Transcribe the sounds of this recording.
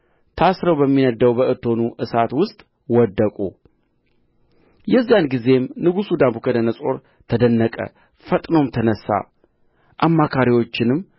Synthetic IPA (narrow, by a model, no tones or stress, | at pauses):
t̪ʰasɾəwbəmːinəd̪əwbəʔɨt̪ʰːo̞nuʔɨsat̪wʊst̪ʼ | wɔd̪ːəkʼṵ | jɛzːijanɡize̞mnɨɡusud̪abukʰəd̪ənəsʼo̞ɾ | t̪ʰəd̪ənːəkʼə̰ | fət̪ʼnomt̪ʰənəsːa̰ | ʔamːakʰaɾiwo̞t͡ʃːɪnɨmː